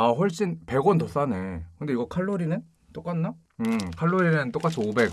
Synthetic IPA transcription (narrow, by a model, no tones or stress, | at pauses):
aɸwʌɭɕ͈inpe̞ɡwʌntʌs͈ane̞kɯnde̞iɡʌkʰaɭːoɾinɯn | t͈ok͈anːa | ɯkʰaɭːoɾinɯnt͈ok͈at͡ɕʰiobe̞ɡ